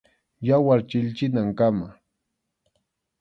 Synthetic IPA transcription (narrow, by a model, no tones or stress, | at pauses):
jawaɾt͡ʃɪʎt͡ʃɪnaŋkama